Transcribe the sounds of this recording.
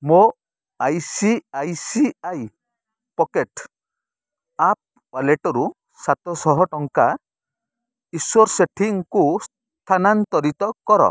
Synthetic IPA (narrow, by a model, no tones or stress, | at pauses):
mo | ajsiajsiaj | pɔkeʈ | ap̚ | baleʈɔɾu | sat̪ɔsɔɦɔʈɔŋka | iswɔɾseʈʰiŋkus | t̪ʰanant̪ɔɾit̪ɔkɔɾɔ̰